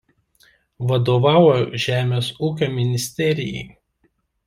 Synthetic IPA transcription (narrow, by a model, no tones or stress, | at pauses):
ʋɐd̪oːʋɑːʊjoʒʲæːmʲeːsuːkʲoːmʲɪnʲɪsʲt̪ʲɛɾʲɪjɛ̰ɪ